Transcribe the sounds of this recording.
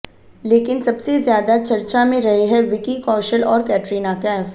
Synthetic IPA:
leːkɪnsɐbsezjaːd̪at͡ʃɐɾt͡ʃamẽɾɐɦiɦɛʋɪkikɔːʃəlɔːɾkɛːʈɾiːnakɛ̃ːf

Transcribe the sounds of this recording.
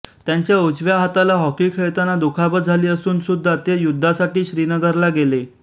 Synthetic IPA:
t̪jaɲt͡ɕjaut͡sʋjaɦat̪alaɦɔkiːkʰeɭt̪anad̪ukʰabət̪d͡zʱaliːəsuːnsud̪ʱːat̪ejud̪ʱːasaʈiːɕɾinəɡəɾlaɡele

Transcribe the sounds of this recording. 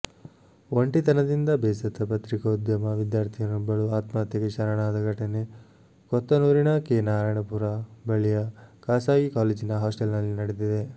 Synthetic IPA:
ʋoɳʈit̪ɐnɐd̪ind̪ɐbeːsɐt̪ːɐpɐt̪ɾikɐud̪jɐmɐʋid̪jaːɾt̪ʰijɐnubɐɭuaːt̪maːt̪jɐkeʃɐɾɐɳaːd̪ɐɡʱɐʈɐne | kɔt̪ːɐnuːɾiɳɐkeːnaːɾaːjɳɐpuɾabɐɭijɐkaːsaːɡikaːleːd͡ʒinɐɦaːsʈɐlnɐlːinɐɽed̪id̪e

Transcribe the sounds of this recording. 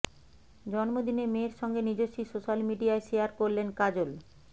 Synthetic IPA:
d͡ʑɔnmod̪inemeɾʃɔŋɡenid͡ʑoʃisoʃalmiɖiaeʃejaɾkoɾlenkad͡ʑol

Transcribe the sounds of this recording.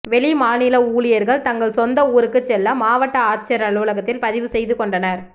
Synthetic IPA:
ʋɛɭimaːnɪlɐuːɭɪjɐɾɣɐɭt̪ɐŋɡɐɭsɔnd̪ɐuːɾɯkːɯt͡ʃːɛlːɐmaːʋɐʈːɐaːɾt͡ʃɐɾɐɭuːlɐɣɐt̪ːɪlpɐðɪʋɯsɛjðɯkɔɳɖɐnɐɾ

